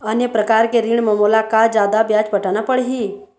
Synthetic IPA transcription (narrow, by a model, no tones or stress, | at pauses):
ənjəpɾɐkaːɾkeɾiɳ̃mɐmoːlakad͡ʒjaːd̪abjaːd͡ʒbɐʈaːnapəɽɦi